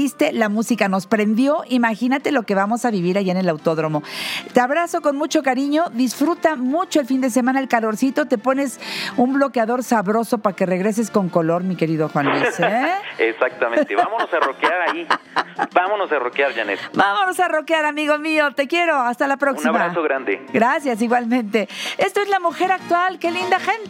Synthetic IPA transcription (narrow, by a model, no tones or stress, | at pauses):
ist̪e̞lamusikano̞spɾe̞nd̪jo̞ʔimaxinat̪e̞lo̞ke̞βamo̞saβiβ̞iɾaʝaene̞lawt̪o̞ðɾo̞mo̞t̪eaβɾaso̞ko̞nmut͡ʃo̞kaɾiɲo̞ðisfɾut̪amut͡ʃo̞elfind̪e̞s̬e̞mãnae̞lkalo̞ɾsit̪o̞t̪e̞po̞ne̞sumblo̞keaðo̞ɾsaβɾo̞so̞pake̞re̞ɣɾe̞s̬e̞sko̞ŋko̞lo̞ɾmike̞ɾiðo̞xwanlisesak̚t̪amẽt̪eβamonosarokeaɾaibamonosarokjaɾʝanebamonosaro̞kjaɾamiɣo̞mio̞t̪e̞kje̞ɾo̞ast̪alapɾokniamaɾasoɣɾand̪ḛɡɾasjas̬iɣwalmẽ̞nt̪e̞e̞st̪oezlamuxe̞ɾak̚t̪walke̞lind̪axent̪